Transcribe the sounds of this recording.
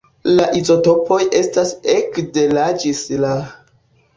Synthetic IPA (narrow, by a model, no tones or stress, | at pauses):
laʔizo̞to̞pʰo̞jʔe̞stasekde̞lad͡ʒisla